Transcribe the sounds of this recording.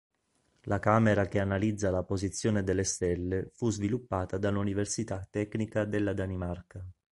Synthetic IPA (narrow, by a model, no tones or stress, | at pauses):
lʔakaːmeɾak̟eanalid̪zːalapozit̪sːjoːned̪elːest̪ɛlːefuzvilupːaːt̪ad̪alːuniversit̪at̪ːɛknikad̪elːad̪animarka